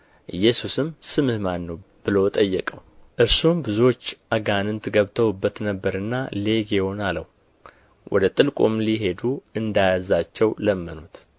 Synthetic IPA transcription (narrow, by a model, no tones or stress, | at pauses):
ʔɨjːɛsusɨmsɨmɨhmanːəwb̥ɨlo̞t̪ʼəjːɛkʼəwʔɨɾsumbɨzuo̞t͡ʃːʔaɡanɨnt̪ʰɨɡəβt̪ʰəwɨbːət̪nəbːəɾɨnːale̞ɡeho̞nalə̰w | wʔɔ̰d̪ət̪ʼɨlkʼumliɦe̞d̪uɨnd̪ajazat͡ʃːɛwləmːɨnut̪